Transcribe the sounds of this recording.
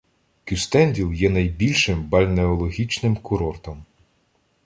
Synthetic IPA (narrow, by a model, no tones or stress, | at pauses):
kʲust̪ɛnʲdʲilˠjɛnɐjbʲilʲʃɪmbɐlʲneɔlˠɔɦʲit͡ʃnɪmkʊɾɔrt̪ɔm